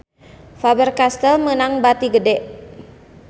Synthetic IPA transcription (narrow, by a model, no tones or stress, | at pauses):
fabərkast̪əlmənaŋbat̪iɡədɛʔ